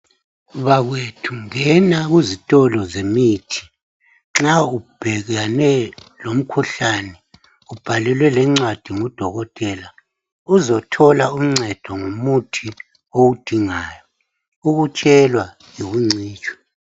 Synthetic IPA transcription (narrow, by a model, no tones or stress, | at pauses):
βaɣwetʰuŋɛnaɣuzitʼɔlɔzemitʰi̥ | ŋ͡ǁaub̥ʱɛɣanɛlom̩kʰuɬanɛ | ub̥ʱalɛlwɛlɛŋ͡ǀwad̥ʱiŋud̥ʱɔɣɔtʼɛla | uzɔtʰɔlaum̩ŋ͡ǀɛd̥ʱɔŋumutʰi | owud̥ʱiŋaːjɔ | uɣut͡ʃʼɛlwa | jiβuŋ͡ǀiːt͡ʃʼwɛ̥